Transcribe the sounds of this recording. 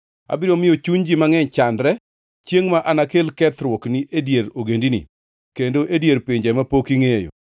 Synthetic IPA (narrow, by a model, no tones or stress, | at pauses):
a̰bɪɾomɪjot͡ʃuɲd͡ʒimaŋɛɲt͡ʃandɾɛ | t͡ʃjeŋmaʔanakelkɛt̪ɾwɔkniʔedjeɾoɡendinḭ | kendoʔedjeɾpeɲd͡ʒɛmapokiŋejo̰